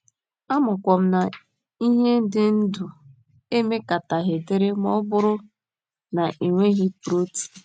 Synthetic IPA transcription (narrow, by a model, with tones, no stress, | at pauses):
a˦mʊ˨kʷɔ˨m̩˦na˨ | i˦ɦe˦n̩˦dɪ˦n̩˦du˨ | e˦me˦ka˨ta˨ɦe˨de˦ɾe˦m˦ɔ˦bʊ˦ɾʊ˦ | na˨ʔi˨ŋʷe˦ɦi˦pu˨ɾo˦ti̥˨